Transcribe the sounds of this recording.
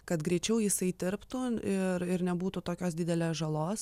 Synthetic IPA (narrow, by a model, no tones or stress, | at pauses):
kɐt̪ɡɾʲɛɪt͡ʃʲɛʊjɪsɐɪd̪ʲɪɾpt̪uːɪɾɪɾnʲɛbuːt̪ut̪oːkʲoːsd̪ʲɪd̪ʲɛlʲeːsʒɐlˠoːs